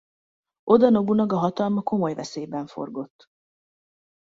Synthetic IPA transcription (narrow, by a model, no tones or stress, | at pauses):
ʔo̞d̪ɒno̞bunɒɡɒɦɒt̪ɒlmɒko̞mo̞jvɛseːjbɛɱfo̞̰rɡo̞t̪ː